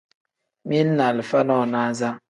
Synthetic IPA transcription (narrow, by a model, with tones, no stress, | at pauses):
mi˦n̩˦na˨li˨fa˦nɔ˦˨na˦za˦